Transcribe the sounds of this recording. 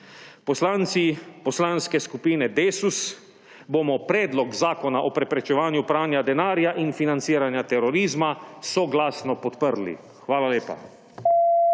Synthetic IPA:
pɔslaːnt̪sipɔslaːnskɛskupiːnɛd̪eːsus | bomɔpɾɛːd̪lɔkzaːkɔnaʔɔpɾɛpɾɛt͡ʃɛʋaːnjupɾaːnjad̪ɛnaːɾjaʔinfinant̪siːɾanjat̪ɛɾɔɾiːzmasɔɡlaːsnɔpɔt̪pəɾlḭ | xʋaːlaleːpa̰

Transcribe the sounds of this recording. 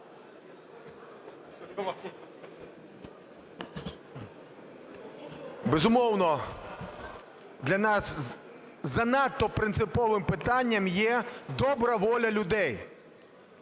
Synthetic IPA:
bɛzʊmɔwnɔ | d̪lʲɐnɑs | zɐnɑt̪ːɔpɾɪnt̪sɪpɔʋɪmpɪt̪ɑnʲːɐmjɛd̪ɔbɾɐʋɔlʲɐlʲʊd̪ɛj

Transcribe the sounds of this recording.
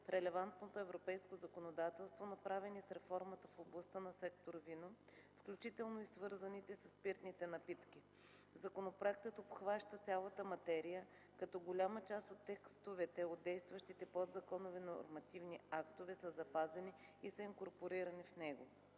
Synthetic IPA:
fɾɛlɛvant̪not̪oɛvɾopɛjskozɐkonod̪at̪ɛlˠst̪vonɐpɾavɛnisɾɛfɔɾmət̪əfoblˠɐst̪ənɐsɛkt̪oɾvino | fklʲut͡ʃit̪ɛlˠnoisvɤɾzɐnit̪ɛsɐspiɾt̪nit̪ɛnɐpit̪kʲi | zɐkonopɾoɛk̚t̪ət̪opxvaʃt̪ət̪sʲalˠət̪əmɐt̪ɛɾijə | kɐt̪ɔɡolʲamət͡ʃast̪ot̪ːɛkst̪ovɛt̪ɛod̪̚d̪ɛjst̪vɐʃt̪it̪ɛpɔd̪zɐkɔnovɛnoo̰ɾmɐt̪ivniakt̪ovɛsəzɐpazɛniisəiŋkoɾpoɾiɾɐnifnɛɡo

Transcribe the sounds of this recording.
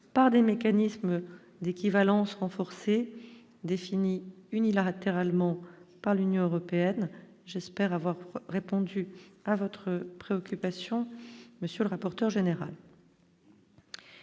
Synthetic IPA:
paʁd̪emekanism | d̪ekʲivalɑ̃sʁɑ̃fɔʁse | d̪efiniynilat̪eʁalmɑ̃paʁlynjɔ̃øʁɔpeɛn | ʒɛspɛʁavwaʁʁepɔ̃d̪yavɔt̪χəpχeɔkʲypasjɔ̃məsjøləʁapɔʁt̪œʁʒeneʁal

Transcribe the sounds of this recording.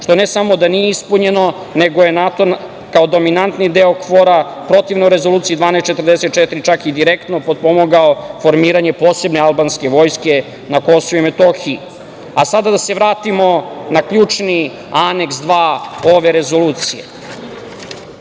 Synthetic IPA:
ʂt̪o̞ne̞samo̞d̪anijeispuɲe̞no̞ | ne̞ɡo̞jenat̪on | kaod̪o̞minant̪nid̪e̞okfoɾa | pɾo̞t̪iʋnouɾe̞zo̞luːt̪sijid̪ʋaːnest̪t͡ʃet̪ɾrd̪eset̪t͡ʃet̪iɾit͡ʃakid̪iɾekt̪no̞pod̪̚po̞moɡaofo̞ɾmiːɾaɲe̞po̞ːse̞bnealbanske̞ʋo̞ːjske̞ | nako̞soʋuimet̪o̞xii | asad̪ad̪ase̞ʋɾaːt̪imo̞nakʎuːt͡ʂni | ane̞ksd̪ʋaːo̞ʋe̞ɾe̞zo̞luːt̪sijḛ

